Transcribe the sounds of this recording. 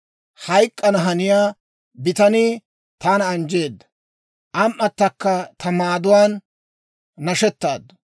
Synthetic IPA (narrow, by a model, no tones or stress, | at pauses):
hɐjkʼːɐnɐɦɐnɪjaː | bɪt̪ɐniː | t̪aːnɐɐnd͡ʒe̞ːd̪ːɐ̥ | ʔɐmʔːɐt̪ːɐkːɐt̪ʰɐmaːd̪ʊwaːnː | ɐʃɛt̪ːaːd̪ːɐ